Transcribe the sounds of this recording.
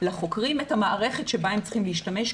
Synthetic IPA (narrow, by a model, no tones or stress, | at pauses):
laχo̞kʁimethamaʔaʁe̞χetʃebaemt͡sχimleiʃtameʃ